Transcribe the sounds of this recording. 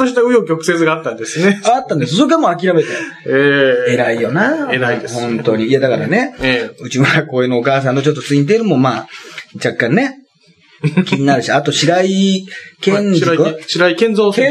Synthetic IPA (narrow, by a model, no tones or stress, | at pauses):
oɕit̪aɯ̟jokʲo̞kɯ̟̥se̞t͡sɨɡaːt̪ːãnd̪esɨneat̪ːãnd̪essok̬amoak̬ʲiɾame̞t̪e | ee̞ɾaijo̞naeɾaihõ̞nt̪o̞ɲ̟iiad̪akaɾa̰ne̞ɯ̟t͡ɕimaako̞ːenoːkaːsãnt̪ot͡ɕo̞t̪ːot͡sɨĩɲt̪̬eiɾɯ̟mo̞maːd͡ʑakːãnne̞ | kʲiɲ̟inaɾɯ̟ɕiat̪o̞ɕiɾaikẽnzɕiɾaikẽnd͡zoːk